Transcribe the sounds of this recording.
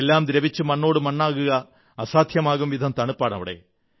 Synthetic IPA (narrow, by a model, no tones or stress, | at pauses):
elːaːmd̪ɾɐʋit͡ɕːɨmɐɳːo̞ːɽɨmɐɳːaːɣuɣɐː | saːd̪ʱjɐmaːɣumʋid̪ʱɐmt̪ɐɳupːaːɳɐ̰ʋiɽḛ